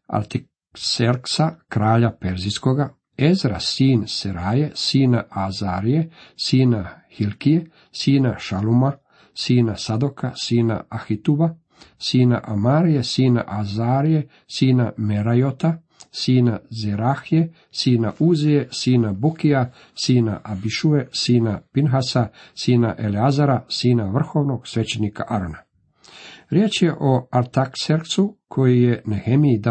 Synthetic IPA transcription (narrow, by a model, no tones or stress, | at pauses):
a̰ɾt̪i | seɾksakɾaːʎapeɾziskoɡa | ezɾa̰siːnseɾaːjesiːnaʔazaːɾijesiːnahilkije | siːnaʃaluma | siːnasad̪okasiːna̰axit̪uba | siːna̰ʔamaːɾijesiːna̰ʔazaːɾije | siːnameɾajot̪a | siːnazeɾaxije̞ | siːnaʔuːzijesiːnabukia | siːna̰ʔabiʃuesiːnapinɦasasiːna̰ʔe̞leazaɾasiːnaʋr̩xo̞ːʋno̞ɡ̥sʋet͡ɕenika̰ʔaɾona | ɾjeːt͡ʃje̞ʔoaɾt̪akseɾt̪sukʰo̞jijenehemiid̪a